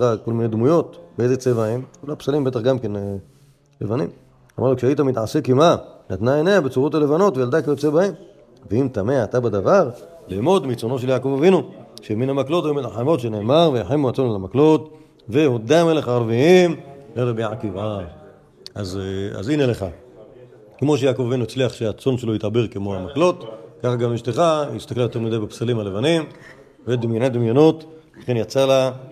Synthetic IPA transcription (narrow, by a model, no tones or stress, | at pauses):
ako̞lmined̪mujo̞t̪beezet͡sevaimkulapsalimbe̞t̪aχɡamken | lḛvanḭm | a̰maʁlukʃeaitamit̪ʕasekimanat̪naeneabet͡suʁo̞tale̞vano̞tvejald̪akajot͡sebaem | veimt̪ameat̪abed̪avaʁ | limo̞d̪mit͡sono̞ʃ̬eljaːko̞vavinuʃeminhamaklo̞t̪omilaħamo̞tʃeneːmaʁvejaħemuat͡sonelamaklot | ve̞hod̪ameleχaːʁviimleʁebiʕakiva | ʔaza̰zineleχa | kemo̞ʃ̬ejaːko̞vavinuit͡sliaχʃeat͡so̞nʃeloit̪abeʁkemohamaklo̞t̪kaχaɡamiʃt̪eχaist̪aklajoteʁmid̪abepsalimalevanim | ved̪imjonad̪imjonot̪laχenjat͡sala